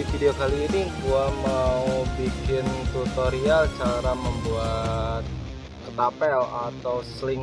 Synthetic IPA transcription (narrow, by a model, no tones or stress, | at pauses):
ifideokaliːnit̪uamaubikɪnt̪ut̪oɾialt͡ʃaɾaməmbuat̪̚ | kət̪apɛlat̪awslɪŋ